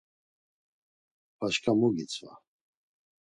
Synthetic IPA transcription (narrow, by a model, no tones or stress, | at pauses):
pʰaʃkʰamuɡit͡sʰʼva̰